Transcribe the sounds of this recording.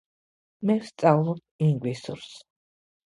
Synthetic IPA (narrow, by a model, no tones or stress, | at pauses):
mɛvst̪sʼavlˠɔp | iŋɡwisṵɾs